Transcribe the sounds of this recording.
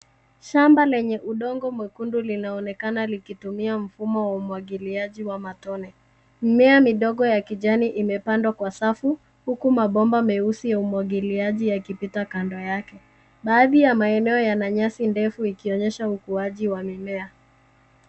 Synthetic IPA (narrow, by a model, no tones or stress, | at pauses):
ʃambalɛɲɛʔuɗɔŋɡɔmwɛkundulinaɔnɛkanalikitumiam̩fumɔwaumwaɠiliaʄiwamatɔnɛ | mimɛamiɗɔɡɔjakiʄaniʔimɛpandwakwasafu | hukumaɓɔmbamɛusijaumwaɠiliaʄijakipitakandɔjakɛ | ɓaːðijamaɛnɛɔjanaɲasindɛfuikiɔɲɛʃaukuaʄiwamimɛa